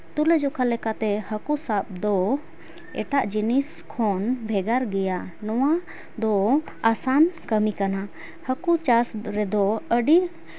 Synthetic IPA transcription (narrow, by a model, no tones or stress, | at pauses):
t̪ulɛd͡ʒɔkʰalɛkat̪ɛhəkusap̚d̪ɔ | ɛ̰ʈaʔd͡ʒinis | kʰɔnbʱɛɡaɾɡɛjanɔwa | d̪ɔ | asankəmikana | həkut͡ʃasɾɛd̪ɔəɖi